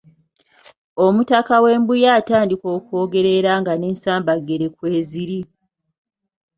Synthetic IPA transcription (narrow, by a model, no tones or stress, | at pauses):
omutakawe̞ːmbujaːtaːndiko̞ːkuo̞ːɡe̞ɾe̞ɾaːŋɡane̞ːnsaːmbaɡːe̞ɾekwe̞ːziɾi